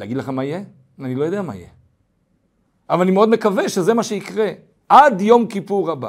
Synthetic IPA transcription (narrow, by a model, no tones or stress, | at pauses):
eaɡid̪leχamaije | anilo̞jo̞d̪eama̰ḭje | avalanimeo̞d̪me̞kave̞ʃeze̞maʃeikʁe̞ | ʔad̪jo̞mkipuʁaba̰